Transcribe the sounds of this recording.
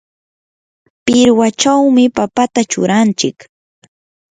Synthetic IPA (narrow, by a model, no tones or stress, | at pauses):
pɪɾwat͡ʃawmɪpapat̪at͡ʃʊ̰ɾant͡ʃɪk